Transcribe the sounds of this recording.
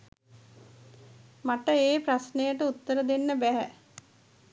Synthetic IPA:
maʈəeːprasnejəʈəut̪ːəɾəd̪enːəbæɦæ̰

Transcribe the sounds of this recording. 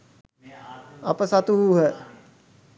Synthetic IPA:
ɐpəsat̪uɦɛ

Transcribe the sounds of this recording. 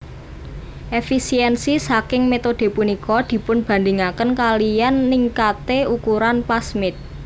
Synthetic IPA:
ʔefisiɛnsisakɪŋmet̪od̪̥e̤punikɔd̪̥i̤pʊnb̥a̤nd̪ɪŋakənkalijanːiŋkat̪eukuɾanpasmɪt̪̚

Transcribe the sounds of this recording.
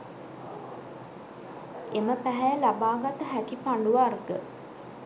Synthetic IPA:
eməpæɦæjəlabaːɡat̪əɦækipaɳɖuʋarɡə

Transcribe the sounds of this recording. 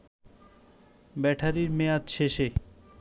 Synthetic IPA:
bɛʈʰaɾiɾmeat͡ɕʰeʃe

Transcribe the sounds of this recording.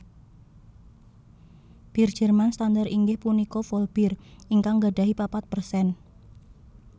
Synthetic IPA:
b̥ird̥ʒ̥ə̤rmanst̪and̪əɾiŋɡɪhpunikofolb̥iriŋkaŋɡaɖaɦipapat̪̚pərsɛn

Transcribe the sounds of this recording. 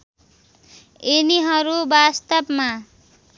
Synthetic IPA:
eniɦʌɾubast̪ʌbma

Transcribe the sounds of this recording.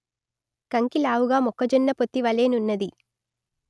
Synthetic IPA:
kɐŋkilaːwuɡaːmɔkːɐd͡ʒɔnːɐpot̪ːiʋɐleːnunːɐd̪i

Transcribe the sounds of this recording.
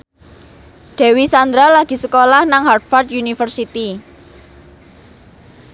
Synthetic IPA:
ɖ̥ɛ̤wisand̪ɾalaɡ̥i̤səkolahnaŋɦart̪̚fart̪unifərsit̪i

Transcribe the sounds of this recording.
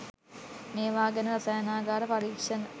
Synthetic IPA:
neːʋaːɡɐnəɾɐsajɐnaːɡaːɾɐpɐɾiːkʂɐn

